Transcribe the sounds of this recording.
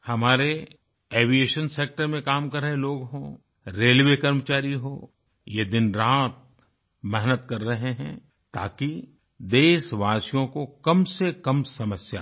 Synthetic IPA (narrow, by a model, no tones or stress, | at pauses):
hɐmaːɾe | eːʋieːʃənseːk̚ʈəɾmẽkaːmkɐɾəɦeloːɡɦoː | ɾeːlʋekɐɾmət͡ʃaːɾiɦoː | jed̪ɪnɾaːt̪̚ | mɛɦnət̪kɐɾːɐɦeɦɛ̃ː | t̪a̰ːki | d̪eːʃʋaːsijõkokɐmsekɐmsɐməsja̰